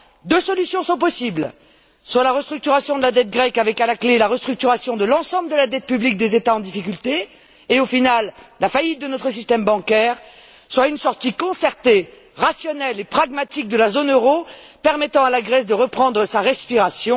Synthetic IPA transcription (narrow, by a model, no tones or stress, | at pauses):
d̪øsɔlysjɔ̃sɔ̃p̬ɔsibl | swalaʁəst̪χyk̚t̪yʁasjɔ̃d̪əlad̪ɛt̪̚ɡʁɛkavɛkalaklelaʁəst̪χyk̚t̪yʁasjɔ̃d̪əlɑ̃sɑ̃bld̪əlad̪ɛt̪̚pyblik̚d̪ezet̪aɑ̃d̪ifik̬ʲylt̪eː | ofinalːafajit̪̚d̪ənɔt̪χəsist̪ɛmbɑ̃kʲɛːʁ | swaynsɔʁt̪ikɔ̃sɛʁt̪e | ʁasjɔnɛlepχaɡmat̪ik̚d̪əlazonøʁopɛʁmɛt̪ɑ̃alaɡʁɛs̬d̪əʁəpχɑ̃d̪ʁəsaʁɛspiʁasjɔ̃